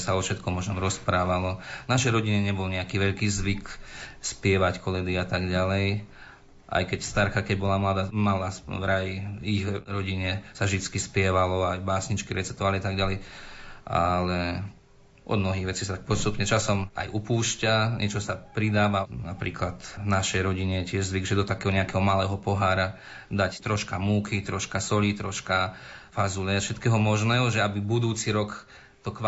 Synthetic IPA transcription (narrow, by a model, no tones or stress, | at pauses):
saɔfʃɛt̪kɔmɔʒnɔmɾɔspɾaːʋalɔnaʃɛjɾɔɟiniɲɛbɔlɲɛakiːʋɛʎkiːzʋikspɪɛʋackɔlɛd̪iat̪aɡɟalɛj | ʔa̰jkɛcst̪aɾkakɛɟbɔlamlad̪aːmalasɾajixɾɔɟiɲɛsavʒd̪it͡skispɪɛʋalɔajbaːsɲit͡ʃkiɾʔɛt͡sɛpt̪ɔʋaliat̪aɡɟalɛjʔa̰lɛ | ʔɔ̰d̪mnɔɦiːɣʋɛt͡siːsat̪ḁk̚pɔst̪upɲɛt͡ʃasɔmʔa̰jupuːʃcaɲɛt͡ʃɔsapɾid̪aːʋanapɾḭːklat̪naʃɛjɾɔɟiɲɛcɪɛʒzʋiɡʒɛd̪ɔt̪akɛːɦɔɲɛakɛːɦɔmalɛːɦɔpɔɦaːɾa | d̪act̪ɾɔʃkamuːkʰit̪ɾɔʃkasɔlit̪ɾɔʃkafazulɛfʃɛt̪kɛːɦɔmɔʒnɛːɦɔʒɛabibud̪uːt͡siɾɔk | t̪ɔkʋa